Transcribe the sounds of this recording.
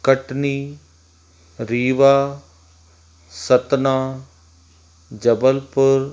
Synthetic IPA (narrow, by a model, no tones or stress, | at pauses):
kəʈniː | ɾiːʋaː | sət̪naː | d͡ʒəbəlpʊɾ